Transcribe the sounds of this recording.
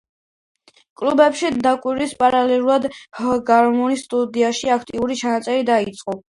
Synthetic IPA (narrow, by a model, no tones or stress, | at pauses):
kʼlubɛpʃid̪akʼwiɾispʼaɾalɛlˠuɾad̪hɡaɾmɔnist̪ʼud̪iaʃiakʰt̪ʼiuɾit͡ʃʰanat̪sʼɛɾid̪ait̪sʼqʼɔ